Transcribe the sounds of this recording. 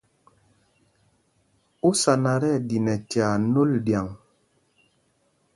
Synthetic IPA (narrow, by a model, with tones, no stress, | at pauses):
u˦sa˨na˨ɾɛ˦˨di˨nɛ˨tja˨no˦ldja˨ŋ